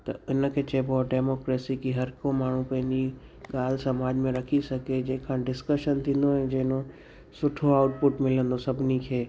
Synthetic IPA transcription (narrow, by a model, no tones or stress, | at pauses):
t̪ɐɪnə̆kʰeːt͡ɕɐboɖeːmoːkɾeːsikiɦɐɾkõmaːɳ̤ũpɐ̃ɦɪ̃ɲd͡ʑi | ɠaːl̤sɐmaːd͡ʑmẽɾɐkʰisɐɡed͡ʑɐ̃ɦɪ̃kʰãːɖɪskəʃənt̪ʰĩːn̆d̪oɛ̃ːd͡ʑɐ̃ɦɪ̃no | sʊʈʰoaːʊʈ̚pʊʈmɪlə̃nd̪osɐbʱɪnikʰeː